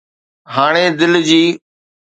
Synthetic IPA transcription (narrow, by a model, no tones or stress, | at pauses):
ɦaːɽ̃eːd̪ɪld͡ʑiː